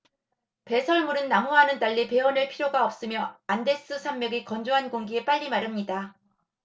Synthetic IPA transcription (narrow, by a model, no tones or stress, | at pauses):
pe̞sʰʌɭmuɾɯnːaŋoɦanɯntaʎːipe̞ʌnɯɭpʰiɾjoɡaʌp̚s͈ɯmjʌande̞s͈ɯsʰammjʌɡikʌnd͡ʑoɦanɡoŋɡie̞p͈aʎːimaɾɯmɲida